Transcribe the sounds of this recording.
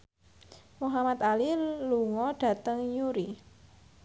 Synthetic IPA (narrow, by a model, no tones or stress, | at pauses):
muɦamat̪aliluŋɔɖ̥ä̤t̪əŋjuɾi